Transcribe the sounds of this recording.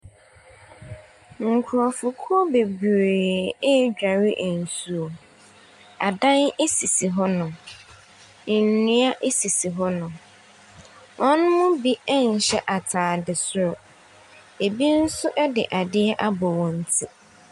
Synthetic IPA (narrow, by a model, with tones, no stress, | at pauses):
ŋ̩˨kʰʊ˨ɾɔ˨fʊ˨kʰɔ˦be˨bɾeː˨ɛ˦d͡ʑᶣa˨ɾɪ˦ʔn̩˨su˨o˨ | a̰˨dã˦ne˦si˨si˨ɦɔ˦nʊ̃˨ | nũ˦a˦ʔe˦si˨si˨ɦɔ˦nʊ̃˨ | ɔ̃˦nʊ̃˦mʊ̃˦bi˦ɛ˦n̩˨ɕɛ˦ʔa˨tʰaː˨dɪ˨sʊ˦ɾɔ˨ | e˨bi˦n̩˦sʊ˦ʔɛ˦dɪ̰˨ʔa˨dɪ˦ɛ˦ʔa˦bɔ˨wɔ̃˨n̩˦tʰi˦